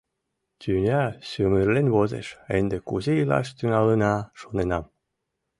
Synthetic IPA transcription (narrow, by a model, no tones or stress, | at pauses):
t̪ʲynʲɑɕymɯrlenβozḛʃend̪ekuzeilɑ̰ʃt̪yŋɑlənɑʃonenɑm